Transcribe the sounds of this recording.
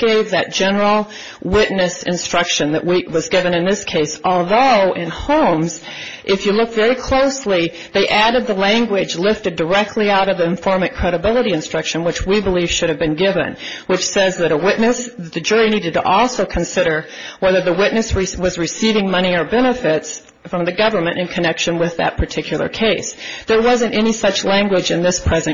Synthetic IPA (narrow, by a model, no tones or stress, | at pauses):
ɡ̥eɪvðɨt̚d̥ʒ̥ɛnə˞l̩ˠ | wɪʔⁿnɨsɨ̰̃nstɹ̥ʌkʃɨ̃nðɨ̰ʔwiwʌzɡɪvɨ̃nɨ̃nðɪskʰeɪsʔɔlˠðoʊʔɪ̃nhõʊ̃mz̥ʔɪfjɨlʊkvɛɹikʰl̥oʊsli | ðeɪʔæɾɨd̪̚ðəlæ̃ŋɡwɪd͡ʒlɪftɨdə˞ɛk̚tʰˡliaʊɾʌvðiɨ̃ɱfɔɹmɨ̃t̚kʰɹ̥ɛɾɨbɪlˠəɾiɨ̃nstɹ̥ʌkʃɨ̃nwɨt͡ʃwibəliv̥ʃʊɾɨvbɨ̃nɡɪvɨ̰̃nwɨt͡ʃsɛzðɨɾəwɪʔⁿnɨsðt̪̚ðɨd͡ʒʊɹiniɾɨd̚tʰə̰ʔɔlˠsoʊkʰɨ̃nsɪɾə˞wɛðə˞ðəwɪʔⁿnɨsɹiwʌzɹɨsivɪ̃ŋmʌñiə˞bɛñɨfɪts | fɹʌ̃mðɨɡʌvə˞mɨ̃ñʔɨ̃nkʰɨnɛkʃɨ̃nwɪðɨ̰t̚pʰə˞tʰɪkʰjl̩ˠə̰˞kʰeɪsðə˞wʌzɨ̃ntɛnisʌt͡ʃlæ̃ŋɡwɪd͡ʒɨ̃nðɪspʰɹ̥ɛzɨ̃n